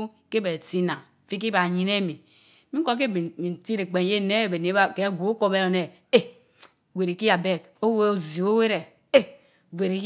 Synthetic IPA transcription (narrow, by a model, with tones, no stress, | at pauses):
ke˦be˨ti˦na˨ŋ˨fi˦k̬i˦ba˨ɲi˨ne˦mi˨ | mi˦ŋ̩˦ko˦k̬e˦˨mi˨n̩˨ti˦ɾe˨k͡pe˨n˦je˦ne˦˨be˨ni˦a˦ke˦ɡʷo˨u˦ko˦be˦ɾo˨ne˨ | e˦ | wʷe˨ɾi˨ki˦ja˨be˦˨k | o˦we˦o˨zi˨o˦we˦ɾe˨ | e˦ | ɡʷe˨ɾi˨˦